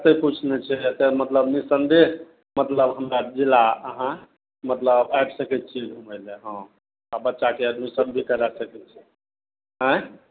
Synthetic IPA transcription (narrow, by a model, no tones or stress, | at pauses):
t̪əput͡ʃʰnet͡ʃʰɛesemət̪ləbnisənd̪e | mət̪ləbɦəmɾad͡ʒilaəɦã | mət̪ləbajbsəkɛt̪̚t͡ʃʰiɡʱuməɪlɛɦə̃ | abətːʃakeəd̪misəbbʱikəɾasəkɛt̪t͡ʃʰɛ̥ | ɦə̃